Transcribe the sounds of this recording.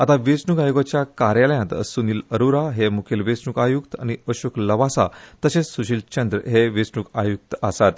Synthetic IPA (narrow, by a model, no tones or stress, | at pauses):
at̪aʋet͡sɳuɡajuɡat͡ɕjakaɾjaləjãnt̪ə̰suniːləɾuɾaɦemukʰelʋet͡snukajukt̪a̰ñiəɕukləʋasa̰t̪əɕesuɕiːlt͡ɕənd̪ɾəɦeʋet͡sɳukajuk̚t̪əsat̪